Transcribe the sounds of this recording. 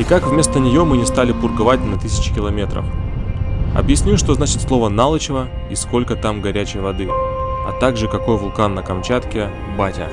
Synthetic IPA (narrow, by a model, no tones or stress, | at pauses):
ikakvmʲe̞st̪ənʲɪjo̞mɨnʲɪst̪alʲɪpʊrɡɐvat̚ʲnɐt̪ɨsʲɪ̥t͡ɕɪ̥kʲɪlˠɐmʲe̞t̪ɾə̰f | ɐ̰bjɪsʲnʲuʂt̪oznat͡ɕɪt̪slˠo̞vənalˠət͡ɕɪvə | isko̞lʲkət̪amɡɐɾʲæt͡ɕɪjvɐd̪ɨɐ̰t̪aɡʐɨkɐko̞jvʊlˠkanːəkɐmt͡ɕat̪kʲɪ | batʲə̰